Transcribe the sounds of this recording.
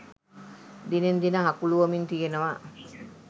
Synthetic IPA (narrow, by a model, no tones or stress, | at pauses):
d̪inend̪inəɦakuluʋəmint̪ijenəʋa